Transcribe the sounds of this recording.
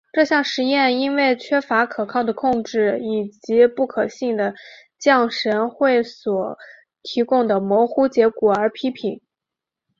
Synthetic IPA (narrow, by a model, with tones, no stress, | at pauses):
ʈ͡ʂɤ˥˧ɕjɑ˥˩ŋʂɻ̩˧˥jɛ˥˩ni˥nwe˥˩ɪt͡ɕʰɥɛ˥fa˧˥kʰɤ˨˩kʰɑ˥˩ʊd̪ə˩kʰʊ˥˧ŋʈ͡ʂɻ̩˥˩i˨˩t͡ɕi˧˥pu˥˩kʰɤ˨˩ɕi˥˩ŋd̪ə˩ | t͡ɕjɑ˥˩ŋʂə˧˥nxwe˥˩ɪswɔ˨˩ | t̪ʰi˧˥kʊ˥˩ŋd̪ə˩mwɔ˧˥xu˥t͡ɕjɛ˧˥kɔ˨˩ə˞˧˥pʰi˥pʰi˨˩˦ŋ